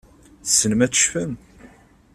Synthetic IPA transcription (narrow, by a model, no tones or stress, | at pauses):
θsənəmæt͡sːə̥ʃfəm